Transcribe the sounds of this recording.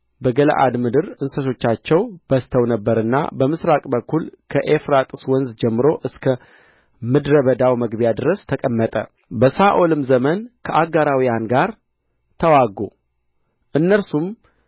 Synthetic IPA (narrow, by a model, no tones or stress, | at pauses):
bəɡələ̰ʔa̰d̪mɨd̪ɨɾɨnsət̪ʰo̞t͡ʃːat͡ʃːɛwb̥əst̪ʰəwnəbːəɾɨnːa̰bəmɨsɾakʼbəkːulkʰəʔefɾat̪ʼɨ̥swɔnzd͡ʒɛmːɨɾo̞ʔɨskʰə | mɨd̪ɾəβəd̪awməɡbjad̪ɨɾəst̪ʰəkʼəmːət̪ʼə̰ | bəsaʔo̞lɨmzəmənkʰəʔaɡaɾawijanɡaɾ | t̪ʰəwaɡo | ʔɨnːəɾsum